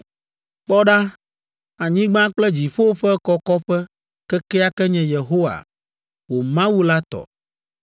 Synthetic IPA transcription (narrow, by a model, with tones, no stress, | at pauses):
k͡pɔ˦ɖa˦ | a˨ɲĩ˦ɡ͡bã˦k͡plɛ˦d͡ʑi˨ɸo˦ɸɛ˦kɔ˦kɔ˦ɸɛ˦ | kɛ˦kɛ˦a˦kɛ˦ɲɛ̃˨je˨ɦo˦wa̰˨ | wo˨mã˦wu˦la˦t̪ɔ̰˨